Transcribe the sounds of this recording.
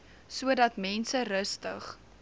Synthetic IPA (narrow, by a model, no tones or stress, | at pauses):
suədɐtmɛnsəɾəstəχ